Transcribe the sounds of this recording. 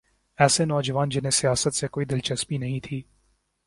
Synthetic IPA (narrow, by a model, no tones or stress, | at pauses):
ɛːsenɔːd͡ʒəʋaːnd͡ʒɪnɦẽsijaːsət̪sekoːid̪ɪlt͡ʃɐspinɐɦĩt̪ʰiː